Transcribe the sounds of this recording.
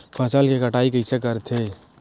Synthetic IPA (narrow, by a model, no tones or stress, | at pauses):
pʰɐsəlkekəʈaːikəɪsek̬əɾt̪ʰe